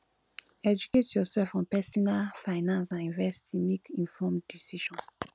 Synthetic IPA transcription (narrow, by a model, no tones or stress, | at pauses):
ɛd͡ʒuketjɔsɛlfɔ̃npɛsɔnalfaɪnãnsãnĩnvɛstimikĩnfɔmdisiʃɔ̃n